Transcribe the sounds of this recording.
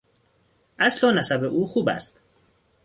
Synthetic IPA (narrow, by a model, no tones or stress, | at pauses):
ʔæslɒːnæsæbe̞ʔuːxuːbæ̰st̪